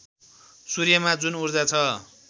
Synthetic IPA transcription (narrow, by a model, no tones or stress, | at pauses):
surjʌmad͡zunurd͡zat͡sʰʌ